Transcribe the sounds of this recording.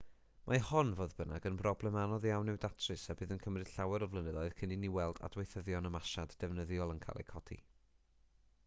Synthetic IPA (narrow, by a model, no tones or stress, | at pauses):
mʔahɔnvoːðbəna̰ɡənbrɔblɛmanɔðjawnːɨwdatʰrɨsabɨːðənkʰəmrɨd̥ɬawɛɾɔvlˠənəðɔɨðkʰəniniwɛlˠda̰dwejθəðjɔnəmaʃaddɛvnəðjɔlˠənkʰa̰lˠʔɛ̰kʰɔdḭ